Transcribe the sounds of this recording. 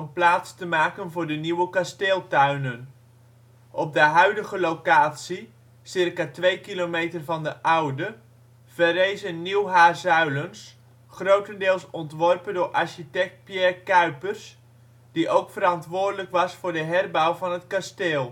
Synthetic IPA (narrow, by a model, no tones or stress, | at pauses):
ənplaːtstəmaːkənvʊːɹdəniwəkasteːlˠtœɥnən | ʔɔb̚dəɦœɥdəχəlokaːtsi | sɪrkaːtʋejkilomejtərvɑndəʔʌwdə | v̥əɾejzənniwɦaːzœɥləns | χrowtəndɪːlˠsɔntʋɔrpəndʊːɹʔɑɹʃitɛk̚t̚pjɛrkœɥpərs | d̥iʔowkfəɾɑntʋʊːrdələkʋɑsfʊːɹdəɦɛrbɔwvɑnɦətkasteːlˠ